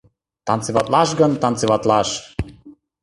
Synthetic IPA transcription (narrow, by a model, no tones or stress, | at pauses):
t̪ɑnt͡sevɑt̪lɑʃɡɤ̆nt̪ɑnt͡sevɑt̪lɑʃ